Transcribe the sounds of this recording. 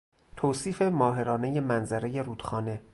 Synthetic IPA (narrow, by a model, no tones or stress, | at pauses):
t̪ʰoːsiːfe̞mɒːɦe̞ɾɒːne̞je̞mænzæɾe̞je̞ɾuːd̪̥xɒːne̞